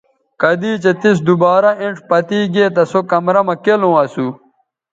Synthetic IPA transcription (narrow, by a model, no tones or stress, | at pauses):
kɐd̪iːt͡ɕet̪is̬d̪ubaːɾɐĩɳʈ͡ʂpɐt̪iːɡeːt̪ɐsokɐmɾɐmɐkelõːɐsu